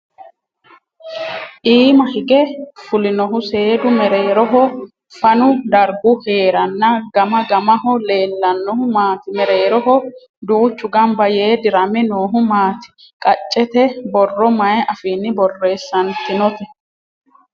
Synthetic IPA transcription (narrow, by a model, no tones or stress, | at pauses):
ʔiːmɐhɪɡɛfʊlɪnɔɦʊse̞ːd̪ʊmɛɾe̞ːɾɔɦɔ | fɐnʊd̪ɐɾɡʊhe̞ːɾɐnːɐɡɐmɐɡɐmɐɦɔle̞ːlːɐnːɔhʊmaːt̪ɪmɛɾe̞ːɾɔɦɔ | d̪uːt͡ʃːʊɡɐmbɐjeːd̪ɪɾɐmɛnoːɦʊmaːt̪ɪ̥ | kʼɐt͡ʃʼːɛt̪ɛbɔrːɔmɐjɛʔɐfiːnːɪbɔrːe̞ːsːɐnt̪ɪnɔt̪ɛ